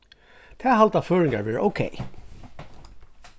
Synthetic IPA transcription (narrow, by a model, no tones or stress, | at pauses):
t̪ʰɛːɦalt̪aføːɹɪŋka̰ɹʋɛːɹəʔo̰ʊkʰḛj